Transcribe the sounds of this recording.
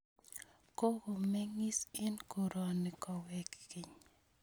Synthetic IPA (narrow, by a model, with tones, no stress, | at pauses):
ko˦ɡo˨mɛ˦ŋɪ˦sɛ˦nko˨ɾɔ˨nɪ˨kɔ˨wɛ˨kːi˨ɲ